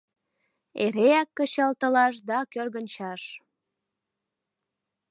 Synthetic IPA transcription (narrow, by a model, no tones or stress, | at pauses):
eɾeækːət͡ɕɑlt̪əlɑʃ̬d̪ɑkørɣənʲt͡ɕɑʃ